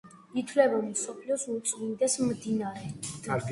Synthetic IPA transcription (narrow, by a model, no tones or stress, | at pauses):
it̪ʰvlɛbamsɔpʰliɔsut̪sʼmind̪ɛsmd̪inaɾɛ